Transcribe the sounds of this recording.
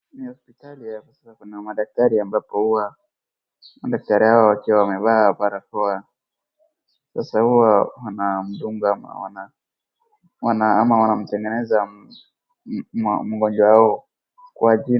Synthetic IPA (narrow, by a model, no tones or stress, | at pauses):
nihɔspitaliakɔsasakunamaɗak̚taɾiambapɔhuwa | maɗak̚taɾihawɔwakiwawamɛɓaːpaɾakɔa | sasahuwawanam̩ɗuŋɡaama̰wa̰na | wanaamawanam̩tɛŋɡɛnɛza | mmuɡɔnd͡ʒwahaɔ | kwaʄi